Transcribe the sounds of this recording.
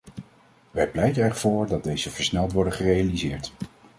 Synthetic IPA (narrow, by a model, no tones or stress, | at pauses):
ʋɛjplɛjtənɛɹv̥ʊːɹdɑd̚dejzəvəɹsnɛlˠtʋɔɹdəχərejalizɪːɹt